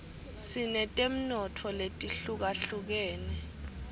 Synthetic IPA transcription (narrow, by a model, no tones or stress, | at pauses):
sinɛtʼem̩nɔtʰɔletʼiɬuk̬aɬuk̬ɛːnɛ